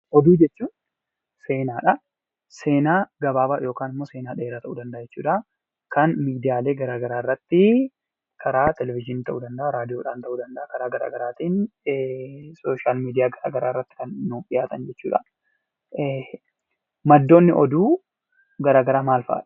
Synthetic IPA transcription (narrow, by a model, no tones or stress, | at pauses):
ʔɔd̪uːd͡ʒɛt͡ʃːuːn | se̞ːnaːᶑɐ | se̞ːnaːɡɐbaːbaːjo̞ːkaːnɪmːoːse̞ːnaːᶑe̞ːɾaːt̪ɐʔuːd̪ɐnd̪ɐʔad͡ʒɛt͡ʃːuːᶑa | kɐnmiːd̪ɪjaːle̞ːɡɐɾaːɡɐɾaːrːɐt̪ːɪ | kʰɐɾaːt̪ɛlɛvɪd͡ʒɪniːt̪ɐʔṵːd̪ɐnd̪ɐʔɐɾaːd̪ɪjoːᶑaːnt̪ɐʔuːd̪ɐnd̪ɐʔɐkɐɾaːɡɐɾa̰ːɡɐɾaːt̪iːn | soːʃaːlmiːd̪ɪjaːɡɐɾa̰ːɡɐɾaːrːɐt̪ːɪ̥kɐnːuːpɪjaːt̪ɐnd͡ʒɛt͡ʃːuːᶑɐ | mɐd̪ːo̞ːnːɪʔɔd̪uː | ɡɐɾaːɡɐɾaːmaːlfɐ̰ʔa̰ᶑɐ̥